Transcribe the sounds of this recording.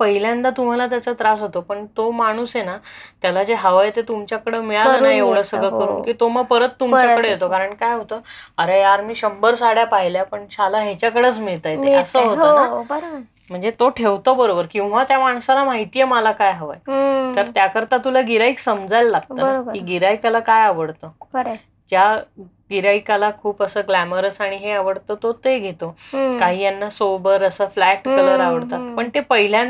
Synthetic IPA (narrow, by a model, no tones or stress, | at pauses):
pəɦiljãnt̪at̪um̤alat̪jat͡sət̪ɾasɦot̪opəɳt̪omaɽ̃usenat̪jalad͡zeɦəʋajt̪et̪umt͡ɕjakəɽemiɭaləənaeʋɭəsəɡɭəkəɾṵːnkiːt̪oməɡ̚pəɾət̪ːumt͡ɕjakəɽeɦet̪okaɾəɳkajɦot̪əəɾejaɾmiːɕəmbəɾsaɽjapaɦiljapəɳɕalaɦet͡ɕjakəɽəːt͡smiɭt̪ajt̪eəsəɦot̪obəɾ | m̤əɳd͡zet̪oʈʰeʋt̪obəɾobəɾkĩw̃ʋat̪jamaɳ̃salamaɦit̪ijəməlakajɦəʋa̰jt̪əɾt̪jakəɾt̪at̪ulaɡiɾaiksəmd͡zajlːaɡ̚t̪aəɾbɾiɡiɾaikalakajaʋəɽt̪ə | d͡ʑja | ɡiɾaikalakʰuːpəsəːɡlæməɾəsaɽ̃iɦeaʋəɽt̪ot̪ot̪eɡʱet̪okaɦiːjanːasobəɾəsəːflæʈkələɾaʋəɽt̪at̪pəɳt̪epəɦil̤ja